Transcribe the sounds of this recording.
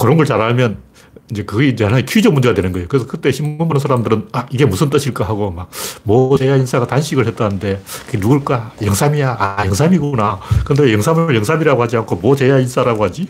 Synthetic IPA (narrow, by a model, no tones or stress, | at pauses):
kɯɾʌnɡʌɭt͡ɕaɾɦaɭmjʌn | ind͡ʑe̞kɯɡind͡ʑehanaikʰuid͡ʑʌmund͡ʑe̞adwenɯnɡʌejokɯɾesʰʌkɯt͈e̞ɕʰimunmbonɯnsʰaɾamdɯɾɯnaiɡe̞musʰɯnt͈ɯɕʰiɭk͈aɦaɡomak̚mʌt͡ɕejains͈ʰaɡatanɕʰiɡɯɭhe̞t͈̚anɯnde̞kɯɡenuɡɯɭk͈ajʌŋsʰamijaajʌŋsʰamiɡnakɯndejʌŋsʰamɭjʌŋsʰamiɾaɡohad͡ʑiankʰomʌt͡ɕejains͈ʰaɾaɡohad͡ʑi